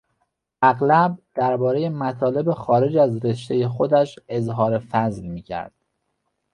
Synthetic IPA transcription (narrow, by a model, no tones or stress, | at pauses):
ʔæɣlæb̚d̪̥æɾbɒːɾe̞je̞mæt̪ʰɒːle̞be̞xɒːɾe̞d͡ʒæzɾe̞ʃt̪e̞je̞xo̞d̪æʃe̞zɦɒːɾe̞fæzlmiːcʰæ̰ɾd̪̥